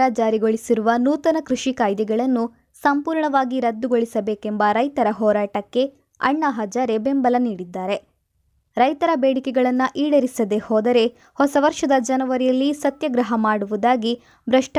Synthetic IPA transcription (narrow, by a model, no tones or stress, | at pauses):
ad͡ʒaːɾiɡoɭisiɾuʋɐnuːt̪ɐnɐkɾuʂikaːjd̪jɛɡɐɭɐnːu | sɐmpuːɾɳɐʋaːɡiɾɐd̪ːuɡo̞ɭisɐbe̞ːkembɐɾɐjt̪ɐɾɐɦɔːɾaːʈɐkːe̞ | ɐ̰ɳːaɦɐd͡ʒaːɾebe̞mbɐlɐniːɽid̪ːaːɾe̞ | ɾɐjt̪ɐɾɐbeːɽikɛɡɐɭɐnːuʔiːɽɐɾisɐd̪e̞hɔːd̪ɐɾe̞ | hɔsɐʋɐɾʂɐd̪ɐd͡ʒɐnɐʋɐɾijɐlːisɐt̪jɐɡɾɐɦɐmaːɽuʋud̪aːɡi | bɾɐʂʈ